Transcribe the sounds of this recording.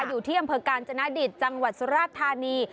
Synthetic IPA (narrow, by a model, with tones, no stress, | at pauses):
juː˨˩t̪ʰiː˥˩a˧mpʰɤː˧kaː˧nt͡ɕʰa˧na˦˥di˨˩t̪̚t͡ɕa˧ŋwa˨˩t̪̚su˧˥ɾaː˥˩t̪ʰːaː˧niː˧